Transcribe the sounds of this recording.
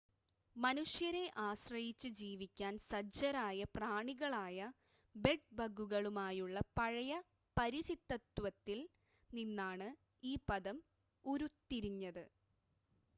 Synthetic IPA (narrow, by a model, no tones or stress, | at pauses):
mɐnuʂjɐɾe̞ʔaːɕrɐjit͡ɕːɨd͡ʑiːʋikʲːaːnsɐɐɾaːjɐpraːɳiɣɐɭaːjɐ | be̞ɖ̚bɐɡuɣɐɭumaːjuɭːɐpɐɻɐjɐ | pɐɾiɕit̪ːɐt̪ːwɐt̪ːil | ninːaːɳɨ | iːpɐðɐm | uɾut̪ːiɾiɲːɐðɨ